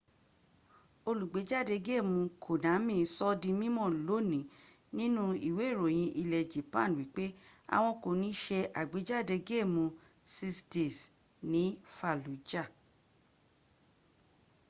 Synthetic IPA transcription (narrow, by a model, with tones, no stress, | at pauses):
o˧lu˨ɡ͡be˨˦d͡ʒa˦˨de˧ɡe˦˨mũ˧kʰo˨nã˨˦mĩ˦˨˦sɔ˦dĩ˧mĩ˦mɔ̃˦˨lo˨˦nĩ˨˦ | nĩ˦nũ˦i˨we˨˦e˦˨ɾo˨j̃ĩ˧ʔi˧lɛ˨d͡ʒi˨˦pã˦˨wi˨˦k͡pe˦a̰˨w̃ɔ̃˧ko˨nĩ˨˦ʃɛ˧ʔa˨ɡ͡be˨˦d͡ʒa˦˨de˧ɡe˦˨mũ˧ | si˧sti˨s | nĩ˨˦fa˨lu˨˦d͡ʒa˦˨